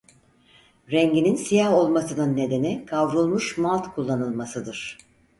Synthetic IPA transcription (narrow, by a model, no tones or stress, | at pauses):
ɾɛɲɟininsijaho̞lˠmasɯnɯnːe̞d̪e̞nikʰavɾulˠmuʃmalˠt̪kʰulˠːanɯlˠmasɯd̪ɯɾ̥